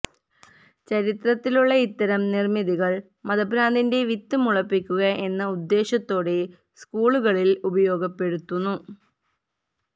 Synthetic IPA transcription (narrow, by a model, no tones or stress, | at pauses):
t͡ɕɐɾit̪rɐt̪ːiluɭːɐit̪ːɐɾɐmnirmiðiɣɐɭ | mɐðɐbʱɾaːnd̪inde̞ʋit̪ːumuɭɐpːikʲːuɣɐʔe̞nːɐud̪ːe̞ːɕɐt̪ːo̞ːɽe̞ | skuːɭuɣɐɭilubɐjo̞ːɡɐpːe̞ɽut̪ːunːu